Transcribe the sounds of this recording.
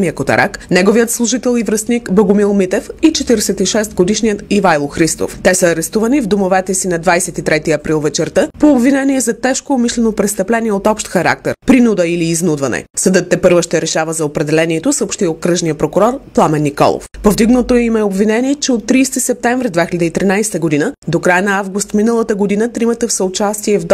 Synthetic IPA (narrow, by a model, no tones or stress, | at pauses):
mijəkot̪ɐ̰ɾʔa̰knɛɡovijət̪slˠʊʒit̪ɛlˠivɾɐst̪nikboɡʊmilˠmit̪ɛfit͡ʃɛt̪iɾɛsɛt̪iʃɛst̪ɡod̪iʃniət̪ivajlˠoxɾist̪o̰ft̪ɛsəːɾɛst̪uvənivd̪omovɛt̪ɛsinɐd̪vajsɛt̪it̪ɾɛt̪iɐpɾilˠvɛt͡ʃɛɾt̪əpoːbvinɛniɛzɐt̪ɛʃkoːmiʃlɛnopɾɛt̪st̪ɐplɛniɛot̪ɔpʃt̪xɐɾa̰k̚t̪ɛɾpɾinud̪əiliːznud̪vɐnɛ̰səd̪ət̪ːɛpɤɾvəʃt̪ɛɾɛʃavəzɐopɾɛd̪ɛlɛniɛt̪osəopʃt̪iot̪̚kɾɤʒniəpɾokʊɾɔɾplˠamɛnːikɔ̰lˠo̰fpovd̪iɡnət̪oɛimɛobvinɛniɛt͡ʃɛot̪ːɾiːst̪isɛp̚t̪ɛɱvɾid̪vɛxʲilʲəd̪əit̪ɾinajsɛ̥t̪əɡod̪inəd̪okɾajənɐavɡust̪minəlˠət̪əɡod̪inət̪ɾimət̪əfsəot͡ʃast̪iɛvd̪